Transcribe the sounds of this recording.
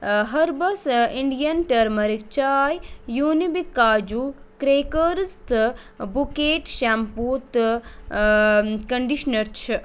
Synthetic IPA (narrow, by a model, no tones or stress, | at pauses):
ɦɐɾbɐsiɳɖijɐnʈɐɾmɐɾikt͡ʃaːjjuːnibikːaːd͡ʒuː | kɾeːkəɾst̪ | bukeːʈʃampuːt̪ | kɐɳɖiʃnɐɾt͡ʃʰi